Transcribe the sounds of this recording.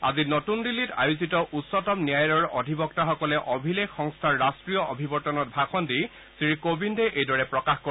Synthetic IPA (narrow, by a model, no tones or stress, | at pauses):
azinɔtundilːita̰juzitɔʔutsɔtɔmnijajɹɔɹɔdʱibɔk̚taxɔkɔlɛʔɔbʱilekxɔŋstʰaɹːastɹijɔʔobʱibɔɹtɔnɔt̚bʱaxɔndi | sɹikobindɛʔejdɔɹɛpɹɔkaxko